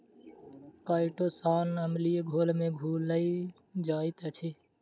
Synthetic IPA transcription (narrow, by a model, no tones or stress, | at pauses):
kaːɪʈoːsaːnəmlijeɡʱoːlmẽɡʱuːləi | d͡ʒaːit̪ət͡ʃʰi